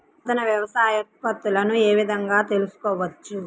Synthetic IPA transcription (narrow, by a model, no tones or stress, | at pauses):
d̪ɐnɐʋjɐʋɐsaːjɐpɐt̪ːulɐnue̞ːʋid̪ʱɐŋɡaːt̪e̞lusu̥kɔːʋɐt͡ʃːu